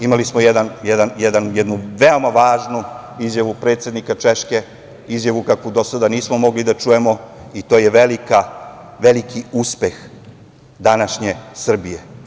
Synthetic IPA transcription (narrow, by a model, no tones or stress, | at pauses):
imalismojɛd̪anjɛd̪anjɛd̪anjɛd̪nuʋeo̞maʋaːʒnuizjaʋupɾe̞ːt̪sjed̪nikat͡ʃeʃke | izjaʋukakʋud̪o̞sad̪aniːsmomo̞ɡlid̪at͡ʃuje̞mo̞it̪o̞ːjeʋelika | ʋelikʰiuspe̞x | d̪anaʃɲe̞sr̩bije